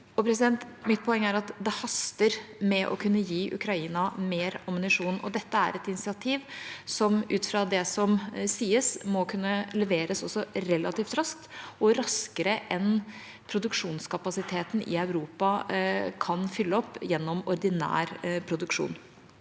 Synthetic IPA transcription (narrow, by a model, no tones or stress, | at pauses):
ɔpʰɾɛs̬ɪd̪ɛnt̪mɪt̪̚pʰɔɛŋːəæːɾɑt̪d̪ɛhɑst̪əɾmɛʔɔ̰kʰʉnːəjiːʔʉ̰kʰɾɑiːnɑmeːɾɔmnɪʂuːnɔ̰d̪ɛt̪ːəæ̰ɾɛt̪ɪnɪsɪɑt̪ʰiːʋsɔmʔʉːt̪fɾɑːd̪ɛsɔmsiːəsmɔkʰʉnːəlɛʋeːɾəsɔsːɔɾɛlɑt̪iːft̪ɾɑsk̚t̪ɔɾɑskəɾəʔɛn | pʰɾʊd̪ʉkʂuːnskɑpɑsɪt̪ʰeːt̪n̩ʔɪ̰œʉɾuːpɑkʰɑnfʏlːəɔpːjɛnːɔmɔɾd̪ɪnæ̰ːɾpʰɾʊd̪ʉkʂṵːn